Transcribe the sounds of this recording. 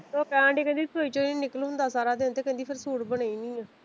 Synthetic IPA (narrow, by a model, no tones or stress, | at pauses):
t̪oːkɛ̃ːɖeːkɛ̃nd̪iːt̪ʰoːiːt͡ʃonĩːnɪkəlɦʊ̃nd̪aːsaːɾaːd̪eːnt̪eːkɛ̃nd̪iːpʰɪɾsuːɽbənaːiːnĩːɛː